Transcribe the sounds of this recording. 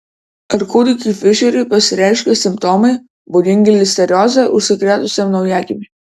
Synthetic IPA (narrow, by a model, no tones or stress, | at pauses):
ɐɾkud̪ʲɪkʲifʲɪʃʲɛɾʲʊpɐsʲɪɾʲɛʃʲkʲɛsʲɪmpt̪ɔmɐɪ | bʊd̪ʲɪŋʲɡʲɪlʲɪsʲt̪ʲɛɾʲɔːzʲɛʔʊʃsʲɪkɾʲɛːt̪ʊsʲɛmnɐʊjæːkʲɪmʲɪ